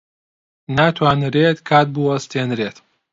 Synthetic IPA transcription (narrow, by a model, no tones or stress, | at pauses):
nat̪ʰwaːnɾet̪kʰaːt̪̚buɐst̪ʰenɾet̪